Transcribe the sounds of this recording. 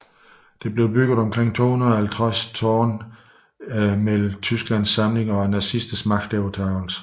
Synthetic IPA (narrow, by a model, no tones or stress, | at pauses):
d̥e̝b̥le̝ʊb̥yɡ̥ð̩ˠɒ̽mkʰʁeŋ̰t͡sʰo̝ːhunɐhælt͡sʰʁast͡sʰɒːn | mel̩t͡sʰysɡ̥læn̰sːɑ̈mle̝ŋɒ̽ænɑsisd̥əsmɑ̈ɡ̥̚d̥ɛʊt͡sʰɑ̈ʊl̩s